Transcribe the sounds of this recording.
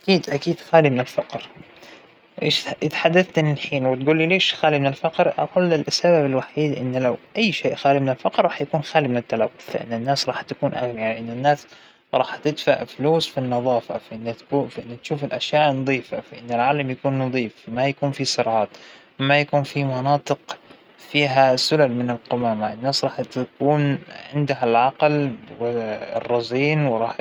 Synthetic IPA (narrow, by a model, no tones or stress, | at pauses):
ʔakiːd̪ʔakiːd̪xaːlimɪnɪlfɑqɾ | ʔeːʃʔɪðħad̪ːaθt̪ɪnɪlħiːnwɪt̪̚ɡuːlːileːʃxaːlimɪnɪlfɑqɾʔa̰quːlːɪlʔasːababɪlwaħiːd̪ʔɪ̰nːlawʔajːʃeːʔxaːlimɪnɪlfɑqɾˤɑːħjakuːnxaːlimɪnɪt̪ːalawːʊθfaʔɪ̰nːɪnːaːsɾˤɑːħt̪akuːnʔaɣniʕaaʔɪnːɪnːaːs | ɾˤɑːħt̪ɪd̪faʕfluːsfinːɑðˤɑːfa̰faʔɪnːt̪ːfʔɪnːat̪ʃuːfɪlʔaʃjaːʔnɑd̪ˤiːfafaʔɪnːɪlʕaːlamjakuːnːɑd̪ˤiːfmajakuːnfisɨɾˤʕɑːt̪ | majakuːnfimɑnɑːt̪ˤɨq | fiːɦasʊlalmɪnɪlqʊmaːmaʔɪnːaːsɾˤɑːħt̪akuːnʕɪnd̪aɦalʕɑqlwɪ̰rˤːɑziːnwɾˤɑːħ